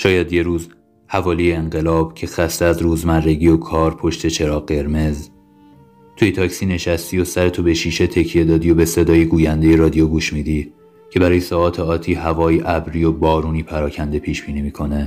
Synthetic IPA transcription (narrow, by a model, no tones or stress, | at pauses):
ʃɒːjæd̪je̞ɾuːz | hævɒːlijeːŋɢe̞lɒːb̥cʰe̞xæst̪eæzɾuːzmærːe̞ɟiːokʰɒːɾpʰo̞ʃt̪ʰe̞t͡ʃʰe̞ɾɒːɢe̞ɾme̞z | t̪ʰujet̪ʰɒːcsiːne̞ʃæst̪ijosæɾe̞t̪ʰobeʃiːʃe̞t̪ʰe̞cʰije̞d̪ɒːd̪iːo̞be̞se̞d̪ɒːjeɡuːjænd̪e̞je̞ɾɒd̪ijoɡuːʃmiːd̪iː | cʰe̞bæɾɒːjesɒːɒːt̪ʰeɒːt̪ʰiːhævɒːjiʔæbɾiːjobɒːɾuːniːpʰæɾɒːcʰænd̪epʰiːʃb̥iːniːmiːkʰo̞ne